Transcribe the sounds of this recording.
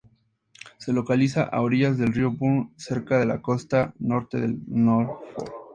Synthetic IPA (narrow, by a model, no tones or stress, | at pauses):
se̞lo̞kalisaʔa̰oɾiʝazðe̞lriopunse̞ɾkaðe̞lako̞st̪ano̞ɾt̪e̞ðḛlnoɾfo̰ɾ